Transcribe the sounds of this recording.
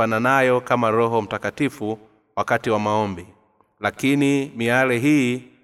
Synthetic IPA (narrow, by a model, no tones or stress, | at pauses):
ananajɔkamaɾɔɦɔm̩takatifu | wakatiwamaɔmbi | lakinimialɛɦiː